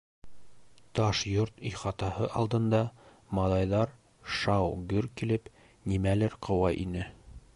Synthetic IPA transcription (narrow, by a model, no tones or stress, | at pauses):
t̪ɑʃjoɾt̪ijχɑt̪ɑhɤʔɑlˠd̪ɤ̆nd̪ɑ | mɑlˠɑjðɑɾ | ʃɑwɡɵɾkilɘp | nimælɘɾqʰɤ̆wɑʔinɘ